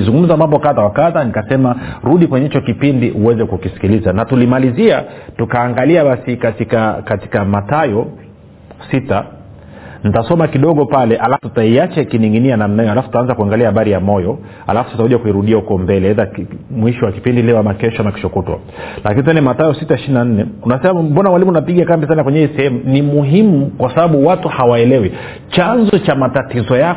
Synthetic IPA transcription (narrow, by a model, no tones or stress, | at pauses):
zuŋɡum̩zamambɔkaðawakaðanikasɛmaɾuɗikwɛɲɛit͡ʃɔkipindiʔuwɛzɛkukisi̥kilizanatulimaliziatukaːŋɡaliaɓasikatikakati̥kamatajɔ | sita | nitasɔmakiɗɔɠɔpalɛʔalafututaiat͡ʃakiniŋɡinianamnajɔhalafu̥tutaanzakuaŋɡaliahaɓaɾijamɔjɔ | a̰lafu̥susakuʄakuiɾuɗiahukɔmbɛlɛɛðamwiʃɔwaki̥pindilɛɔwamakɛʃɔanaki̥ʃɔkutwa̰ | lakinit̬ɛnɛmatajɔsitaiʃininan̩nɛunasɛmam̩bɔnamwalimunapiɡiakambisanakwɛɲɛɛisɛhɛmunimuɦimukwasaɓaɓuwatuhawaɛlɛwi | t͡ʃanzɔt͡ʃamatatizɔja